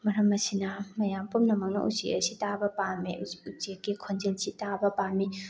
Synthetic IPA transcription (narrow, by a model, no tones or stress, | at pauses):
mɐɾɐmɐsinɐmɐjampumnɐmɐk̚nɐ̰ʔṵsḛʔɐ̰sitabɐpalmiut͡ʃekːikʰond͡ʒelsitabɐpaɾmi